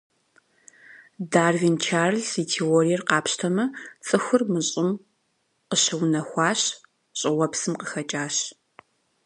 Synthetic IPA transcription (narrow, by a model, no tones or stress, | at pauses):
daːrvint͡ʃʰaːrɨɮsitʰeːoːrijɛrqɑːpɕtʰɐmɐt͡sʼɨxʷʊrmɨɕʼɪm | qəɕɐwnɐxʷɑːɕ | ɕʼɪwɐpsɨmqəxɐt͡ʃʼaːɕ